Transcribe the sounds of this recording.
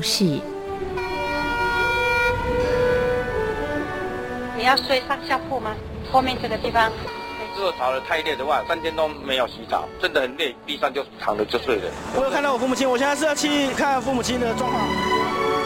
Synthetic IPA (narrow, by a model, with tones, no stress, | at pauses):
ɕi˥˩˥ | ni˨˩jɑ˥˧ʊswe˥˧ɪsɑ˥˧ŋɕjɑ˥˧ʊpu˥˩ma˨ | xʰo˥˧ʊmjɛ˥˧nt͡sə˥˩ɡə˩t̪i˥˩fɑ˦ŋ | o˥˩t͡sɹ̩˥o˨˩ʊt͡sʰɑ˨˩ʊlə˧˦t̪ʰa˥˧ɪljɛ˥˩d̪ə˨˦wa˥˩ɪsa˥nt̪ʰjɛ˥nt̪o˥ʊme˧˥ɪjo˨˩ʊɕi˧˥t͡sɑ̰˨˩˦t͡sə˦nd̪ə˨˩xə˨˩nljɛ˥˩ɪt̪i˥˧ʂɑ˥˧ŋt͡ɕjo˥˧ʊʂ̩˥˩t̪ʰɑ˨˥ŋd̪ə˨˩t͡ɕjo˥˧swe˥˩lə̰˨˩wɔ˨˧˦jo˨˧kʰt̪ɑ˥˩wɔ˨˩fu˥˩mu˨˩t͡ɕʰi˥ŋwɔ˨ɕjɛ˥˧n̬̩˥˧˥jt͡ɕʰi˥kʰa˥˧n˥˩fu˥˩mu˨˩t͡ɕʰi˥ŋd̪ə˨ʈ͡ʂwɑ˥˧ŋkʰwɑ˥˩